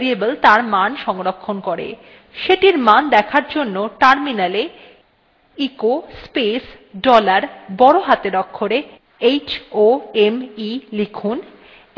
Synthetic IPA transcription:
ɾiebelt̪aɾmanʃɔŋɾokʰːonkoɾḛ | ʃeʈiɾmand̪ɛkʰaɾd͡ʑonːoʈaɾminale | ikospes | ɖɔlaɾbɔɾoɦat̪eɾɔkʰːoɾe | ejt͡ɕoemilikʰun

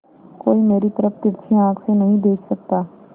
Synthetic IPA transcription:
koːimeːɾit̪ɐɾəft̪ɪtt͡ʃʰiãːkʰsenɐɦĩd̪eːkʰsɐk̚t̪aː

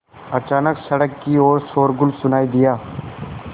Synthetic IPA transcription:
ɐt͡ʃaːnəksɐɽəkːioːɾsoːɾɡʊlsʊnaːid̪ɪjaː

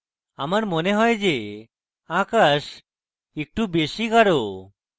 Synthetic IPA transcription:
amaɾmoneɦɔed͡ʑe | akaʃ | ek̚ʈubeʃikaɽo

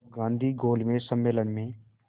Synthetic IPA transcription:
ɡãːnd̪ʱiɡoːlmẽsə̃mːeːlənmẽ

